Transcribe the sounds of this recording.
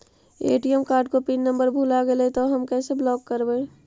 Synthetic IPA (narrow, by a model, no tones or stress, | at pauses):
ḛːʈiəmkaːɾɖ̚kopinːəmbəɾbʱulaɡelet̪oɦəmkɛseblɔkːəɾbe